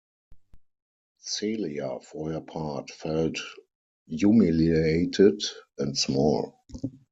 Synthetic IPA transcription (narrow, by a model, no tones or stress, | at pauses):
seliafɔhɜpʰatfɛlt | jumilieɪtʰɪdɛ̃ntsmɔ̰l